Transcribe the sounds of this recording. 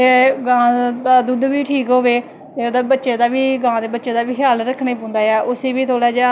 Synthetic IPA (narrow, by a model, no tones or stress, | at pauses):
eɡãːd̪aːd̪ud̪ʋiːʈʰiːkɦoːʋeː | t̪eːoːd̪aːbətːʃeːd̪aːʋiːɡãːd̪eːbətːʃeːd̪aːʋiːkʰɪjaːlɾəkʰɽeːp̬õːnd̪aːjaːʔʊseːʋiːt̪ʰoːɽaːd͡ʒ